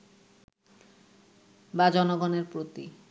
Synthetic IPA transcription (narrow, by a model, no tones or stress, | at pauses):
bad͡ʑɔnoɡɔneɾpɾot̪ḭ